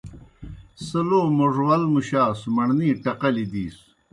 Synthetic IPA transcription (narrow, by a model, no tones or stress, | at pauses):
sɐloːmoʐwɐlmuɕaːsmɐɳniːʈɐqɐlid̪iːs